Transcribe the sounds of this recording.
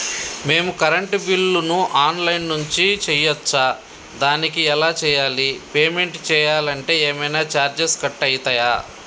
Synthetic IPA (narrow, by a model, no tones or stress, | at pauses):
me̞ːmukɐɾɐɳʈbilːunuʔaːnlɐjnːuɲt͡ʃit͡ʃɛjɐt͡ʃːaː | d̪aːnikiɛlaːt͡ʃɛːjaːlipeːme̞ɳʈt͡ʃɛːjaːlɐɳʈe̞ːeːmɐjnaːt͡ʃaːɾd͡ʒeskɐʈːɐjit̪ɐːjaː